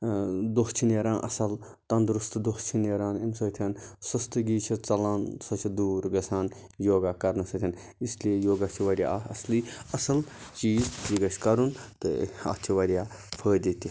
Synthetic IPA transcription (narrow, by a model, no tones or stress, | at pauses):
d̪oɦt͡ʃʰineːɾãːnʔɐ̰sɐl | t̪ɐnd̪ɾust̪d̪oht͡ʃʰineːɾaːnemsɐːt̪ʰʲɐnsɐst̪ɨɡiːt͡ʃʰit͡sɐlɐnsɐt͡ʃʰid̪uːɾɡɐsaːn | joːɡaːkɐɾnɐsɐt̪ʰʲɐn | isliejoːɡɐt͡ʃʰiʋɐɾʲja̰ɐsliːɐsɐlt͡ʃiːzd͡ʒiɡɐt͡ʃʲkɐɾunt̪ɨɐ̰t͡ʃʰiʋɐɾʲjaː | pʰəːd̪it̪i